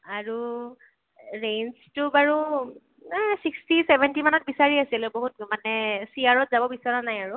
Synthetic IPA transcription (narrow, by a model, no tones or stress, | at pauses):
aɹu | ɹejnstʊbaɹu | sikstisɛbʱɛntimanɔt̚bisaɹiasilʊboɦut̚manɛsiaɹɔtzabɔbisɔɹanajaɹu